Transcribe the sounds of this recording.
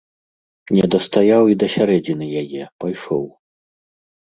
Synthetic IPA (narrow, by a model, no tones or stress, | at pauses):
nʲɛd̪ɐst̪ajawid̪ɐsʲaɾɛd͡zʲinɨjajɛpajʂɔw